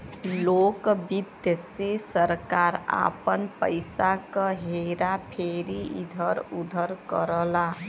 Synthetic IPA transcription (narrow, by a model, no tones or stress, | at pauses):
lokbid̪jəsesəɾkaɾa̰pənpə̰ɪsakəɦeɾapʰeɾiḭd̪ʱəɾud̪ʱəɾkəɾəla